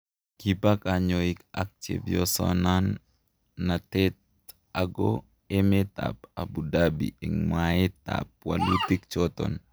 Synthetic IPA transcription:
kibakʼaːɲoikɐk̚t͡ʃḛbjɔsɔ̰nanː | ɐt̪eːt̪̚ | ɐɡo | ɛmɛt̪a̰bɐbʊd̪aːbḭɪŋmaːet̪a̰ːb̚wɐ̰lːuːt̪ːɪkt͡ʃoːt̪ɔ̰n

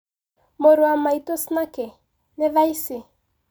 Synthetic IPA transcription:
moɾoamaitosnakɛ | nɛvaisɪ

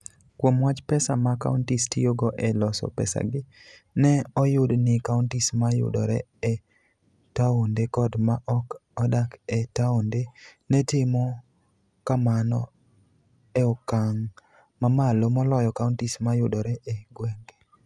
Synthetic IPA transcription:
kwomwat͡ʃpɛsamaka̰ʊntistijoɡoʔɛlɔsɔ̰pɛ̰sa̰ɡɪnɛɔjʊdnɪkaʊntismajʊ̰dɔɾɛ | ɛ | taondekɔdmaʔɔkɔdakɛtaondenɛtɪmɔ | kamanɔ̰ | eɔkaŋ | mamalomɔlɔjɔkaʊntismajʊdɔɾɛʔeɡwɛŋɡe

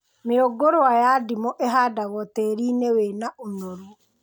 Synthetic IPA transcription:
meoɡoɾoajadimɔʔeɦaːdaɣɔtɛɾinewenaʔonoɾu

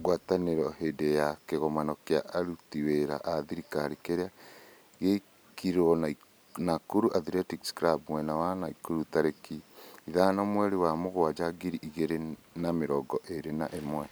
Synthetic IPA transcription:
ɣwataneɾɔhedejakeɣɔmanɔkeaʔaɾutiweɾa̰ʔaðiɾikaɾekeɾea | ɣe | kiɾɔna | nakoɾuʔaðiɾɛtikskɾabmwɛnawanaikoɾutaɾekiiðanɔmwɛɾewamoɣoad͡ʒaɡiɾiʔiɣeɾe | nameɾɔɡɔʔeɾena̰ʔemwɛ

